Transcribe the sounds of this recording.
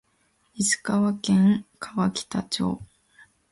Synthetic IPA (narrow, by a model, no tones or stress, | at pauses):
isɨ̥kaβakẽŋkʰaβakʲi̥t̪at͡ɕo̰ː